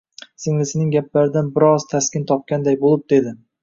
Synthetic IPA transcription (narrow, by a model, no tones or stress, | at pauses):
sɪŋlɪsɪnɪŋʲaplaɾɪd̪anbɪɾɒz̥t̪ʰaskʲɪnt̪ʰɒp̚kʲand̪ajbolˠɪp̚d̪̥e̞d̪ɪ